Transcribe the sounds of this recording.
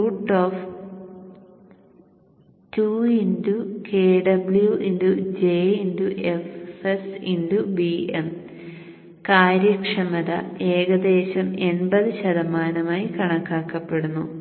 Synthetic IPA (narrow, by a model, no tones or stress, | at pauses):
uːʈːoːf | tuindukeːɖɐbljuʔindud͡ʑeːinduʔefesindubiem | kaːɾjɐkʂɐmɐðɐ̰e̞ːɣɐd̪eːɕɐme̞nbɐðɨɕɐðɐmaːnɐmaːjikɐɳɐkːaːkːɐpːe̞ɽunːu